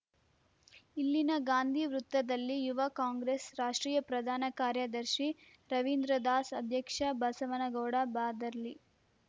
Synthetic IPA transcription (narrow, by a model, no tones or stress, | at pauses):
ilːinɐɡaːnd̪ʱiʋɾut̪ːʋɐd̪ɐlːijuʋɐkaːŋɡɾesɾaːʂʈɾiːjɐpɾɐd̪ʱaːnɐkaːɾjɐd̪ɐɾʃi | ɾɐʋind̪ɾɐd̪aːsɐd̪ʱjɐkʂɐbɐsɐʋɐnɐɡɐːɽɐbaːd̪ɐɾli